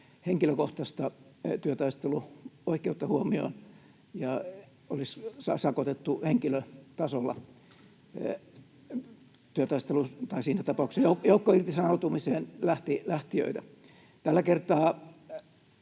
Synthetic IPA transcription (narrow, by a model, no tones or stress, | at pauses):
heŋkiløkoht̪ɑst̪ɑt̪yøt̪ɑist̪eluoikˑeut̪ːɑhuomio̰n | jɑ | olissɑ̰sɑkot̪et̪ːuheŋkiløt̪ɑsolːɑ̰ | t̪yøt̪ɑˑist̪elut̪ɑisiːnæt̪ɑpɑˑuksɑjoukjoukːoirt̪isɑnout̪umiseːnlæht̪ilæht̪iø̰it̪æ | t̪ælːækert̪ɑː